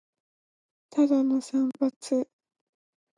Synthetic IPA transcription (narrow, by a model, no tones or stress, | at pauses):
t̪ʰad̪anosãmbat͡sɨ